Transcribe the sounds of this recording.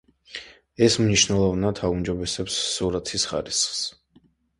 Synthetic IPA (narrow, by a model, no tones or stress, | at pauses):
ɛsmniʃnɛlˠɔvnat̪ʰaumd͡ʒɔbɛsɛpsːuɾat̪ʰisχaɾisχs